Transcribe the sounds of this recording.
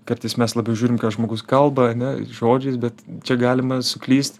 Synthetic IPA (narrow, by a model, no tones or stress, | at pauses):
kɐɾt̪ɐɪsmʲɛslˠɑːbʲɛʊʒʲuːɾʲɪmkɑːʒmoːɡʊskɐlˠbɐɐnʲɛʒoːd͡ʒʲɛɪsbʲɛt̪t͡ʃʲɛɡɑːlʲɪmɐsʊklʲiːst̪